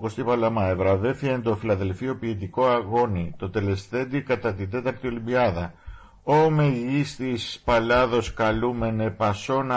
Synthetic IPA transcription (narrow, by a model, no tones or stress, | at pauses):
ko̞st̪ipɐlɐmɐevɾɐve̞fiend̪o̞filɐðe̞lfio̞piːt̪̬iko̞ɐɣo̞nit̪o̞t̪e̞le̞sθe̞d̪ikɐt̪ɐt̪ind̪e̞t̪ɐɾt̪io̞limbiɐðɐ | ome̞ʝist̪ispɐlɐðo̞skɐlume̞ne̞pɐso̞nɐ